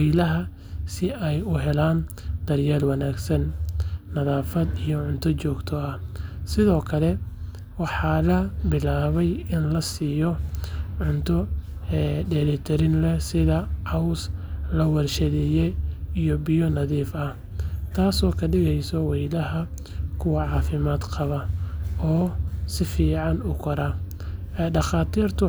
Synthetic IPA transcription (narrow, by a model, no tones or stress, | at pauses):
wɛjlɐɦɐ | sɪʔɛjʊɦɛlaːn | d̪̥ɐrjaːlwɐnaːɡsɐnː | ɐðaːfɐd̪ijɔʕʊnt̪ʰɔt͡ʃɔːɡt̪ʰɔɐhsɪðɔːkʰɐlɛ | wɑħɑːlɐbɪlaːβɛjɪnlɐsiːjɔʕʊnt̪ʰɔ | ɖɛlɪt̪ʰɛɾɪnlɛsɪðɐʕɑwslɐwɐrʃɐðɪjɛijɔbɪjɔnɐðiːfɐh | t̪ʰaːsɔːkʰɐɖɪɣɛjsɔwɛjlɐɦɐ | kʰʊwɑʕɑːfɪmaːd̪qʰɑβɐɔːsɪfiːʕɑnʊkʰɐɾɐ | ɛɖɑχaːt̪ʰiːrt̪ʰʊ